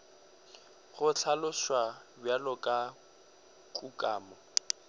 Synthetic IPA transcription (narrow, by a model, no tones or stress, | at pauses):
χʊt͡ɬʰalʊʃwabjalɔkʼa | kʼukʼaːmɔ